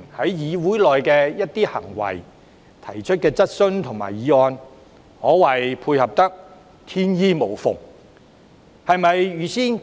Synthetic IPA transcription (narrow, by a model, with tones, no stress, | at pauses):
hɐ˨˥jjiː˨˧wuː˨˥jlɔː˨jkɛː˧jɐ˥t̚t̪iː˥hɐ̰˨˩ŋwɐ̰˨˩j | t̪ʰɐ˨˩jt͡ʃʰɵ˥t̚kɛː˧t͡sɐ˥t̚sɵ˥nt̪ʰʊ˨˩ŋma̰ː˨˩jiː˨˥ɔː˧n | hɔː˨˥wɐ˨jpʰuː˧jhɐ˨p̚t̪ɐ˥k̚ | t̪ʰiː˥njiː˥mo˨˩wfʊ̰˨ŋ | hɐ˨jmɐ˨jɥyː˨siː˥n